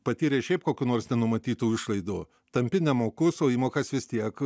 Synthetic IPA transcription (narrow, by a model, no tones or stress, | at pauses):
pɐt̪ʲiːɾʲeːʃʲɛɪp̚koːkʲuːnoːrɾsnʲɛnʊmɐt̪ʲiːt̪uːɪʃlˠɐɪd̪uː | t̪ɐmʲpʲɪnʲɛmoːkʊsoːiːmoːkɐsʋʲɪst̪ʲiɛk